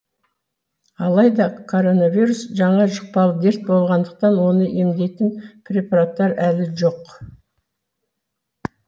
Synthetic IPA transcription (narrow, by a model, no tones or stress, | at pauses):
ɑlˠɑjd̪ɑkʰo̞ɾo̞navʲijɾusʒɑɴɑʒəq̚pɑlˠəd̪e̞ɾt̪̚bo̞lˠʁɑnd̪əq̚t̪ɑnwo̞nəʔemd̪e̞t̪ɪnpʰɾʲe̞paɾat̪ːɑɾælɪʒo̞q